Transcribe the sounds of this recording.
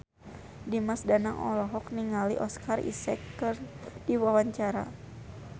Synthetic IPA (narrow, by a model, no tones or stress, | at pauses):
dimasdanaŋʔɔ̰lɔɦɔkniŋalḭʔɔskarʔḭsɛkːɨrdiwawaɲt͡ʃaɾa